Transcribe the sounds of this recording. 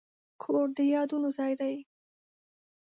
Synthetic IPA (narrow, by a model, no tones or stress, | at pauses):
kʰoɽd̪əjɑd̪unozɑjd̪aj